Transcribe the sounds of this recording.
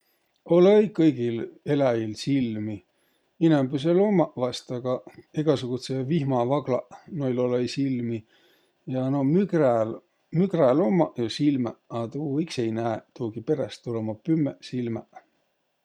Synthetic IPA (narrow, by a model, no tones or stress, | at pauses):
o̞lejkɤjɡ̥ile̞læjilsilmi | inæmbys̬elomːɑvɑst̪ɑɡ̥ɑeɡ̥ɑsuɡ̥ut̪sevihmɑvɑɡ̥lɑ̰ʔnojlolejsilmi | jɑnomykræl | mykrælomːɑjosilmæɑt̪uːiksejnæet̪uːɡipe̞ɾest̪ːulemɑpymːesilmæ̰